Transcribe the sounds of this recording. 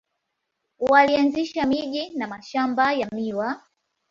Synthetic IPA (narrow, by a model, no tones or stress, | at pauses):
walianziʃamiʄinamaʃambajamiwa